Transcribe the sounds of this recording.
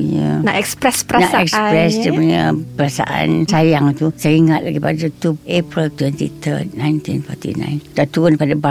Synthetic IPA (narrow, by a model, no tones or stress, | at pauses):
ɲə̰naʔɛkspɾɛspəɾanaʔɛkspɾɛsdipuɲəpəɾasa̰ʔa̰nsajaŋt̪usaiŋat̪̚laɡipadat̪uepɾilt̪wɛnt̪ḭt̪ʰə̰t̪̚najnt̪infɔ̰t̪ḭnã̰jnd̥at̪uɾʊnpadaba